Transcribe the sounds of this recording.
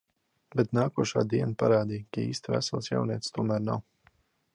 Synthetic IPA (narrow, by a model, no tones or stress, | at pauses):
bɛt̪naːkuɔʃa̰ːd̪iɛnpaɾaːd̪iːkaḭːst̪væ̰salˠsja̰wniɛt̪st̪uɔmæːɾna̰w